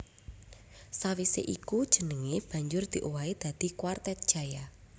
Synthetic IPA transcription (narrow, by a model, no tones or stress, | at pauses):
sawisḛʔikud̥ʒ̥ə̤nəŋib̥ä̤ɲd͡ʒʊrd̪̥i̤ʔuwaid̪̥a̤d̪̥i̤kwart̪ɛt̪̚d̥ʒ̥a̤ja